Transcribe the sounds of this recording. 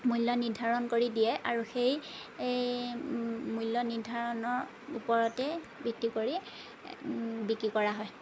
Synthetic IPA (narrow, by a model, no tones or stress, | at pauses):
mujlːɔniɹdʱaɹɔnkoɹidijɛʔaɹuxej | mujlːɔnidʱaɹɔnɔɹ | ṵpɔɹɔtɛ | biktikoɹi | bikɹikɔɹaɦɔj